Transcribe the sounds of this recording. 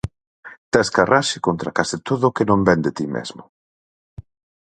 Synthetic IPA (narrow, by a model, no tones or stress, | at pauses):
t̪ɛskaraʃɪkont̪ɾakasɪt̪oðʊkɪnõmbɛnd̪et̪imɛ̰zmʊ